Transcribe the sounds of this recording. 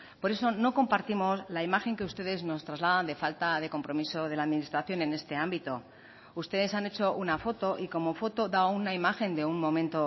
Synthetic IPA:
po̞ɾe̞so̞no̞ko̞mpaɾt̪imo̞slaimaxe̞ŋke̞ust̪e̞ðe̞zno̞st̪ɾazlaðand̪e̞falt̪aðe̞ko̞mpɾo̞miso̞ð̞e̞laːðminist̪ɾaθjo̞ne̞ne̞st̪e̞ambit̪o̞ | ust̪e̞ðe̞sane̞t͡ʃo̞ʔunafo̞t̪o̞ʔiko̞mo̞fo̞t̪o̞ðaounaimaxe̞nd̪e̞unmõ̞mẽnt̪o̞

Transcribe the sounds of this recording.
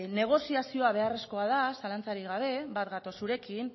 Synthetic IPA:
ne̞ɣ̞o̞siasio̞aβ̞e̞are̞sko̞aðasalant͡saɾiɣaβ̞e̞bat̪ɡat̪o̞suɾe̞kin

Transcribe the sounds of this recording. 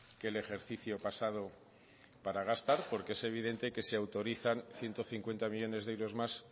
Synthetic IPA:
kele̞xe̞ɾθiθjo̞pasað̞o̞ | paɾaɣ̞ast̪aɾpo̞ɾkeese̞β̞iðe̞nt̪e̞ke̞seawt̪o̞ɾiθanθje̞nt̪o̞θiŋkwe̞nt̪amiʝo̞ne̞zðewɾo̞zmas

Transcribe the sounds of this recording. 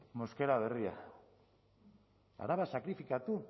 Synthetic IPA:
moskeɾaðeria̰ | a̰ɾaβasakɾifikat̪u

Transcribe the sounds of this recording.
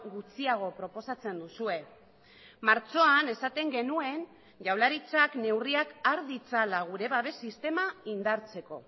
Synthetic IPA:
ɣut͡siaɣ̞o̞pɾo̞po̞sat͡se̞nd̪usue̞ | maɾt͡ʃo̞ane̞sat̪e̞ŋɡe̞nue̞n | ʝawlaɾit͡sakne̞wriakaɾðit͡salaɣ̞uɾe̞β̞aβe̞sist̪e̞maind̪aɾt͡se̞ko̞

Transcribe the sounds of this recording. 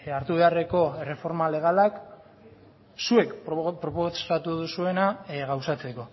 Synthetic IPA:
aɾt̪uβe̞are̞ko̞ere̞fo̞ɾmale̞ɣ̞alak | sue̞kpɾo̞posat̪uðusue̞naɣawsat͡se̞ko̞

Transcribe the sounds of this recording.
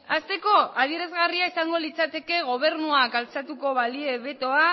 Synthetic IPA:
ast̪e̞ko̞aðie̞ɾezɣariaisaŋɡo̞lit͡sat̪e̞ke̞ɣ̞o̞β̞e̞ɾnuakalt͡sat̪uko̞βalie̞βe̞t̪o̞a

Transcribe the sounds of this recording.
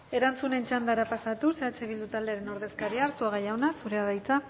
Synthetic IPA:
e̞ɾant͡sune̞nt͡ʃand̪aɾapasat̪use̞at͡ʃeβild̪ut̪ald̪e̞aɾe̞no̞ɾðe̞skaɾiaːɾsuaɣajaonasuɾe̞aðajt͡sa

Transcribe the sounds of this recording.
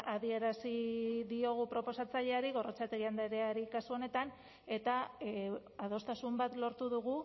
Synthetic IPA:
aðie̞ɾasiðio̞ɣ̞upɾo̞po̞sat͡saʎe̞aɾiɣ̞o̞rot͡sat̪eɾiand̪aɾeaɾikasuo̞ne̞t̪an | e̞t̪a | að̞o̞st̪asumbat̪lo̞ɾt̪uðuɣ̞u

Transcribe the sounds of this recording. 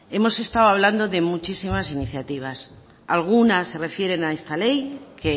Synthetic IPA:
e̞mo̞se̞st̪awaβ̞land̪o̞ðe̞mut͡ʃisimasiniθjat̪iβ̞as | alɣ̞unasːe̞re̞fje̞ɾe̞nae̞st̪ale̞jkʰe

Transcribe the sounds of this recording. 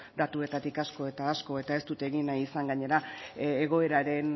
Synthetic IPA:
d̪at̪ue̞t̪at̪ikasko̞e̞t̪aːsko̞e̞t̪ae̞st̪ut̪eɣinajisaŋɡaɲe̞ɾaeɣ̞o̞e̞ɾaɾe̞n

